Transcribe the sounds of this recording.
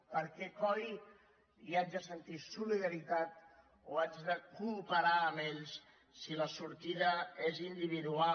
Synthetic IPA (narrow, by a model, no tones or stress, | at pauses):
pəɾkɛkɔj | iad͡ʒðəsənt̪isuliðəɾit̪at̪ | oad͡ʒðəkumpəɾaːmeʎs | siləsuɾt̪iðəezind̪iβ̞iðua